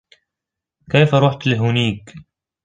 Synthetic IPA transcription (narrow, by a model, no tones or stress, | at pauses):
kajfaɾˤuːħt̪lɪɦʊniːk